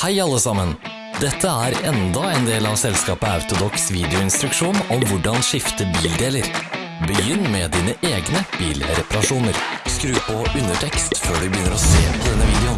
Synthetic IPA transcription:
hæɪɑlːəsɑmən | d̪ɛt̪ʰːəæɾɛnd̪ɑɛnd̪eːlɑʋsɛlskɑːpəɑʉt̪ʊd̪ɔksʋiːd̪ɪʊɪnst̪ɾʉkʂuːnɔmʋʊɖɑnʂɪft̪əbiːld̪eːləɾ | bəjʏnːmɛd̪iːnəʔeːɡnəb̥iːlɾɛpɑɾɑʂuːnəɾskɾʉːpɔʉnəʈʰɛkst̪føːɖʉbəjʏnːəɾɔseːpʰɔd̪ɛnːəʋiːd̪ɛʊn

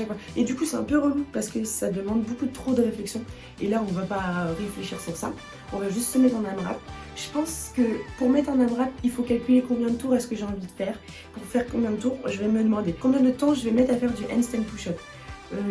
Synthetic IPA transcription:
ʃakfwaed̪ykusɛɛ̃pøʁəlupaʁsə̥kəsad̪əmɑ̃d̪bokud̪ət̪χod̪əʁeflɛksjɔ̃ | elaɔ̃vapaʁefleʃiʁsyʁsa̰ | ɔ̃vaʒyst̪səmɛt̪χɑ̃namʁa̰p̚ | ʒ̥əpɑ̃skəpuʁmɛt̪χɑ̃namʁapilfokalkʲylekɔ̃bjɛ̃d̪ət̪uʁɛsə̥kəʒeɑ̃vid̪əfɛːʁ | puʁfɛʁkɔ̃bjɛ̃d̪ət̪uːʁʒəvɛməd̪əmɑ̃d̪ekɔ̃bjɛ̃d̪ət̪ɑ̃ʒəvɛmɛt̪χafɛʁd̪yʔɛ̰nst̪ɛmt̪uʃɔt̪ | ø

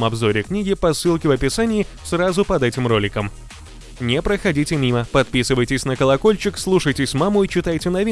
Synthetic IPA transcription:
mɐbzo̞ɾʲɪknʲiɡʲɪpɐsːɨlˠkʲɪvəpʲɪsanʲɪː | sɾazʊpɐd̪ɛtʲɪmro̞lʲɪkəm | nʲɪpɾəxɐdʲitʲɪmʲiməpɐt̪̚pʲisɨvəjtʲɪsʲnəkəlˠɐko̞lʲt͡ɕɪkslˠuʂəjtʲɪsʲmamʊit͡ɕɪt̪ajtʲɪnɐvʲi

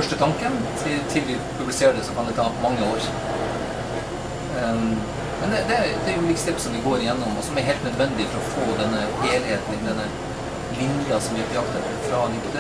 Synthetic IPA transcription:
fœʂʈət̪ʰɑŋkənt̪ʰɪt̪ʰɪlʋɪ | pʰʉblɪseːɖəsɔkʰɑnd̪ɛt̪ʰɑːpɔmɑŋːəoːɾ | mɛnd̪ɛd̪ɛɾd̪ɛæj̪lɪkst̪ɛpsɔmd̪ɪɡoːɾɪjɛnːɔmɔ̰sɔmæɾɦeːlt̪nœd̪ʋɛnd̪ɪfɔɾɔfoːd̪ɛnːəheːlɪheːt̪n̩ɪd̪ɛnːə | lɪnjɑsɔmʋɪɛt̪ɪɑkt̪ə | fɾɑnɪkːd̪ə

